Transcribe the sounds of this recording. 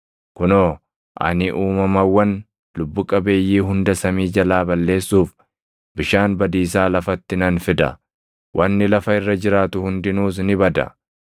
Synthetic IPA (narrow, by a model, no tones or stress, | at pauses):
kʊnoː | ʔɐ̰nɪʔuːmɐmɐwːɐn | lʊbːʊkʼɐbe̞ːjːiːɦʊnd̪ɐsɐmiːd͡ʒɐlaːbɐlːe̞ːsːuːf | bɪʃaːnbɐd̪iːs̬aːlɐfɐt̪ːɪnɐnfɪd̪ɐ̰ | wʔɐnːɪlɐfɐɪrːɐd͡ʒɪɾaːt̪ʊhʊnd̪ɪnuːs̬nɪbɐd̪ɐ̰